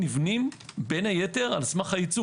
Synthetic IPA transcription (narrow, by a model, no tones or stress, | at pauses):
nivnimbe̞nhajete̞ʁalsmaχajit͡su